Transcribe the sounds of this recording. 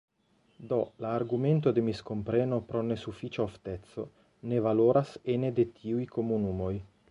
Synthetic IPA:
d̪olaːɾɡument̪od̪emiskompɾeno̞pɾonesufit͡ʃaoft̪et̪so | nevaloɾʔasened̪et̪ʰiujkomunumoj

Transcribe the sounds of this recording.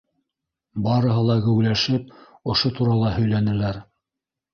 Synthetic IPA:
bɑɾɤ̆ɦɤlˠɑɡɘ̆wlæʃɘp̚ | ŏʃot̪uɾɑlˠɑhɵ̆jlænɘ̆læɾ

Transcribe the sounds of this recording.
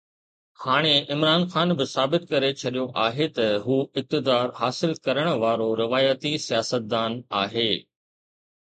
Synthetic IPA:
haːɽ̃eɪmɾaːnxaːnbɪsaːbɪt̪̚kɐɾet͡ɕʰɐɗijoʔaːɦet̪ɐɦuːɪp̚t̪ɪd̪aːɾɦaːsɪlkɐɾəɽ̃ə̆ʋaːɾoɾɪʋaːjət̪isijaːsət̪̚d̪aːnaːɦeː

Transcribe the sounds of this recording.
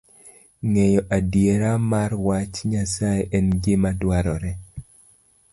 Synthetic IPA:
ŋɛjɔʔadjeɾamarwat͡ʃɲasaeʔɛnɡɪmadwaɾɔɾɛ

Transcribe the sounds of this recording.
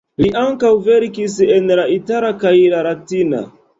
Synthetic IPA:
liʔaŋkawve̞ɾkisenlaitalakajlalatina̰

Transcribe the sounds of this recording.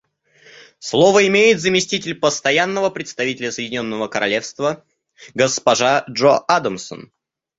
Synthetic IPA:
slˠovəɪmʲejɪt̪zəmʲɪsʲtʲitʲɪlʲpəst̪ɐjanːəvəpɾʲɪt̪st̪ɐvʲitʲɪlʲəsəjɪdʲɪnʲo̞nːəvəkəɾʔɐ̰lʲe̞fst̪və | ɡəspɐʐaʐoʔad̪əmsə̰n

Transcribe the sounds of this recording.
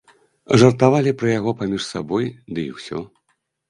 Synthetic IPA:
ʐɐrt̪avalʲipɾɐjaɣɔpamʲiʂsabɔjd̪ɨḭwsʲɔ̰

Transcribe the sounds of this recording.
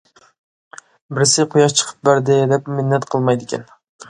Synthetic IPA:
bɪɾɪsɪqʰʊjɑʃt͡ʃʰə̥qʰə̥p̚bæɾd̪ɪd̪ɛpmɪnːɛt̪qʰəlˠmɑjd̪ɪkʲɛ̰n

